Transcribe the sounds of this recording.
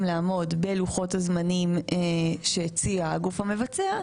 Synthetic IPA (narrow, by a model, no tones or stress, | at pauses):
mlaːmo̞dbe̞luχo̞thazmanimeʃet͡siaaɡufame̞vat͡sea